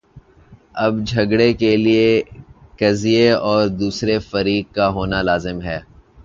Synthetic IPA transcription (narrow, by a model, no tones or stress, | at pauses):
ɐbd͡ʒʱɐɡɽekeliekɐzijeɔːɾd̪uːsɾefɐɾiːɡ̚kaɦoːnalaːzɪmɦɛː